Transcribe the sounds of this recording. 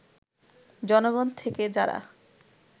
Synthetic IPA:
d͡ʑɔnoɡɔnt̪ʰeked͡ʑaɾa̰

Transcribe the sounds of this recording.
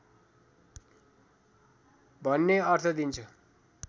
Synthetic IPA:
bʱʌnːeʌrt̪ʰʌd̪int͡sʰʌ

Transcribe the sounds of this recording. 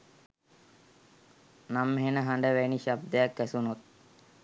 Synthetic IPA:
namːeɦenəɦaɳɖəʋeniɕab̚d̪ejakːæsunut̪̚

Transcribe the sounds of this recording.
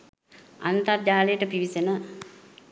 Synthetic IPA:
ant̪ard͡ʒaːlejəʈəpiʋisenə

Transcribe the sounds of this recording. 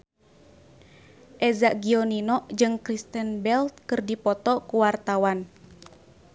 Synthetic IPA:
ʔɛzaʔɡiɔninɔʔd͡ʒɨŋkɾist̪ənbɛlt̪̚kɨrdipɔt̪ɔkuwart̪awan

